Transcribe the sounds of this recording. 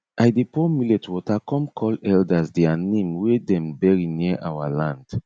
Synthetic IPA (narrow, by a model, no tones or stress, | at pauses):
ʔajdepɔmilɛtʰwɔtakɔ̃mkʰɔlɛldasdɛanẽmwedɛ̃mbɛɹiniʔawalãnd̥